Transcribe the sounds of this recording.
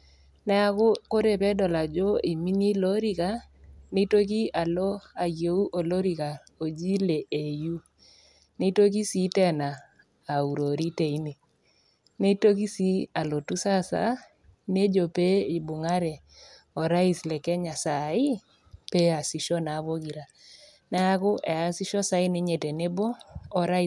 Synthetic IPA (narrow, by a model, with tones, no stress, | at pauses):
nɛ˦a˦ko˦ko˦ɾe˦˨pɛ˦dɔ˨la˨d͡ʒo˦i˨mi˦ni˦lo˦ɾi˦ka˦ne˦to˦k̬i˦a˨lɔ˦a˨je˨u˦ʔo˨lo˦ɾi˨ka˨ | o˨d͡ʒi˦le˨ʔe˨ju˦ | ne˦to˦k̬i˦si˦tɛ˦naː˨ | u˨ɾo˨ɾi˦te˨i˦ni˨ | ne˦to˦k̬i˦si˦a˨lo˨tu˦sa˦sa̰˦ | ne˦d͡ʒo˨pe˦i˨bʊ˨ŋa˦ɾɛ˨ | ɔ˨ɾa˦i˨slɛ˨kɛ˦ɲa˨sa˨ɪ˦ | pe˦a˨si˨ʃɔ˦na˨˦βo˦ki˨ɾa˨ | na˦a˦kʊ˦ʔɛ˨a˨si˦ʃɔ˦sa˦ɪ˦ne˦ɲe˨tɛ˨ne˦bɔː˦˨ɾa˦˨